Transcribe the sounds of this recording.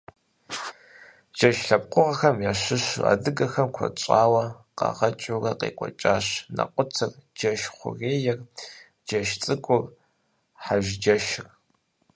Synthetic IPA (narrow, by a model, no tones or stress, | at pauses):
d͡ʒɐʃɬɐp̚qʷʊʁɐxɐmjaːɕɨɕʊ̰a̰ːdɨɡɐxɐmkʷʰɔ̰t͡ʃʼaːwɐqɑ̰ʁɐt͡ʃʼorɐqḛːkʷʼɔ̰t͡ʃʼaːɕnɐ̰qʷʼʊt͡sʰɨrd͡ʒɐʃχʷʊ̰ɣeːjɛr | d͡ʒɐʃt͡sʼɨkʷʼʊr | ħaʒd͡ʒɐʃɪr